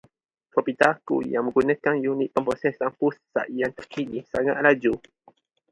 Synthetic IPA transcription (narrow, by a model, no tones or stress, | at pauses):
fɔpit̪akṵjaŋmə̃ŋɡunəkanjuniʔ̪̚pəmpɾosɛsaŋpusːa̰ʔijant̪ərkinisaŋa̰ʔ̪̚lad͡ʒu